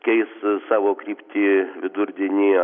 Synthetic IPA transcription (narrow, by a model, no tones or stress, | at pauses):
kʲɛɪssɑːʋoːkɾʲiːpʲt̪ʲiːʋʲɪd̪ʊɾʲd̪ʲɪnʲiː